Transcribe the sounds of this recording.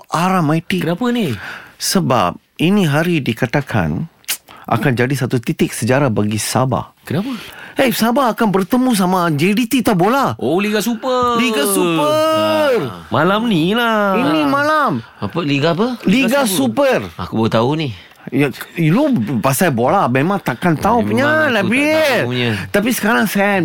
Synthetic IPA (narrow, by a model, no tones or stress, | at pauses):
aɾamajt̪ikənapənisəba̰p̚ | inĩɦaɾidikat̪akʰa̰n | ʔa̰kand͡ʒadisat̪ut̪it̪ɪk̚səd͡ʒaɾabaɡisa̰ba̰hkənapəesabaːkanbərt̪əmũs̬amad͡ʒedit̪it̪abolaʔoliɡasupəliɡasupərmalamnilainimalam | apəliɡapəliɡasupəra̰kubt̪auni | jailobasajbolamemãŋt̪akant̪aupəɲanabiɲt̪apisə̥kaɾaŋsan